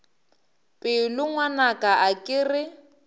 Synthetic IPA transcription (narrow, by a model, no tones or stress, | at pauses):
pʼɪlʊŋwanakʼaʔakʼɪrɪ